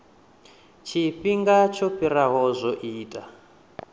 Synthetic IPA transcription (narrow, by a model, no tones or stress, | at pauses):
t͡ʃʰiɸiŋɡat͡ʃʰɔɸiɾaɦɔzʷɔʔiːtʼa